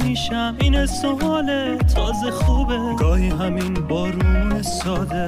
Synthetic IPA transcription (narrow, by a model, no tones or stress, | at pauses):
miːʃæmiːnesoɒːle | t̪ʰɒːzexuːbeɡ̥ɒːhiːɦæminbɒːɾuːmiesɒːd̪e